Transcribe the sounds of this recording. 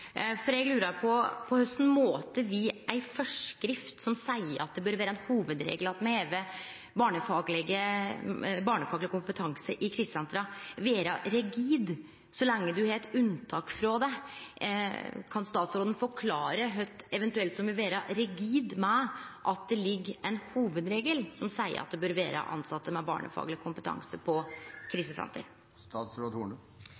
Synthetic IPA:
fɔɾɛɡlʉːɾɑɾpʰɔpʰɔhœst̪n̩moːt̪əʋɪʔæɪfɔʂkɾɪft̪sɔmsæɪəɾɑ̰t̪̚d̪ɛbœːɾʋæːɾəɛnhuːʋəd̪ɾḛːɡlɑt̪mɛheːʋə | bɑːɳəfɑːɡlɪɡə | bɑːɳəfɑːɡlɪəkʰʊmpət̪ʰɑŋsəʔɪkʰɾɪst̪jɑnt̪ɾɑʋeːɾɑɾɛɡiːd̪ | sɔlɛŋːəd̪ʉhɑɾɛt̪ʉnt̪ʰɑːkfɾɑd̪ɛ | kʰɑnst̪ɑːt̪sɾoːd̪ən̩fɔɾkʰlɑːɾəɦœʏt̪ɛʋɛnt̪ʉɛlt̪sɔmʋɪʋeːɾɑɾɛɡiːd̪mɛʔɑt̪̚d̪ɛlɪɡːɛnhuːʋəd̪ɾeːɡəlsɔmsæɪə̰ɾɑt̪̚d̪ɛbøːɾʋḛːɾə̰ʔɑ̰nsɑt̪ːəmɛbɑ̰ːɳə̰fɑ̰ːɡlɪkʰʊmpət̪ʰɑ̰ŋsəpʰɔkʰɾiːsəfɾɑ̰nt̪ʰə̰ɾ | t̪ɑːt̪sɾoːd̪uːɳ

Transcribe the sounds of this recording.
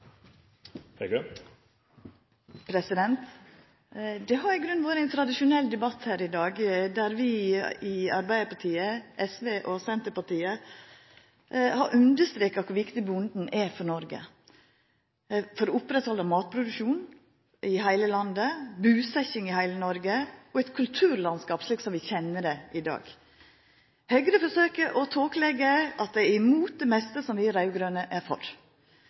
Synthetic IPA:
hɛɡø | pʰɾɛsɪd̪ɛnt̪ | d̪ɛɦɑɾɪɡɾʉnːʋoːɾəɛnt̪ʰɾɑd̪ɪʃʊnɛlːd̪ɛbɑt̪hæːɾɪd̪ɑːɡd̪æɾʋɪɪɑɾbæɪəpɑʈʰiːəʔɛsʋeːʔɔsɛnt̪əpɑʈiːə | hɑɾʔʉnd̪əʂt̪ɾeːkɑkʰʊɾʋɪkt̪ɪbʊnd̪n̩ɛfɔɳɔɾɡə̰ | fɔɾɔʊpɾɛt̪hɔlːəmɑːt̪̚pʰɾʊd̪ʉkʃuːn | ʔɪɦæɪləlɑnd̪əbʉːsɛçɪŋɪhæɪlənɔɾɡəɔɛt̪kʰʉlt̪ʰʉːɾlɑnskɑːpʂliːksɔmʋɪçɛnːəd̪ɛʔɪd̪ɑ̰ːɡ̥ | hœɡəɾəfɔʂøːkəʔɔt̪ʰoːklɛɡəʔɑt̪̚d̪ɛæɾɪmuːt̪̚d̪ɛmɛst̪əsɔmʋɪæɾɑʉɡɾøːnəʔæɾfɔ̰ɾ

